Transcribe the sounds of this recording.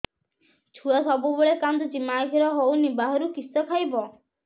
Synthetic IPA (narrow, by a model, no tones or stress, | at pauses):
t͡ʃʰuasɔbubeɭekand̪ud͡ʒimakiɾɔɦownibaɦɔɾukisɔkʰajbɔ